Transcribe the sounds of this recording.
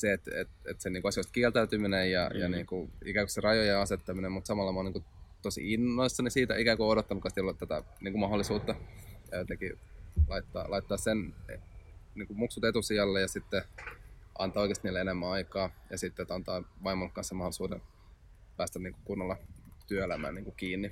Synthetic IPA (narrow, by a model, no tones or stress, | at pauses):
seet̪ḛt̪ḛt̪seniːkuɑsijoist̪kielt̪æyt̪yminejjɑ̰jɑniːŋkuḭkæːŋko̥serɑjojeɑset̪ːɑminemmut̪sɑmɑlːɑmɑniːŋkut̪osḭinːoisːɑnisiːt̪æ̰ikæːŋkuodot̪ːɑnukːɑnst̪iolt̪æt̪æ̰ | niːŋkumɑholːˑisuːt̪ːɑøt̪ekilɑit̪ːɑ̰ːlɑit̪ːɑːssen | niːŋkumuksut̪et̪usiɑlːejɑsit̪ːe | ʔɑ̰nt̪ɑːoikest̪iniːlːeenemːæɑikɑːjɑsit̪ːet̪ɑnt̪ɑːʋɑimolkːɑnsemɑholisuːden | pæːst̪æniːŋkukunːɑlːɑt̪yøelæmæ̰ːniːŋkukiːnːi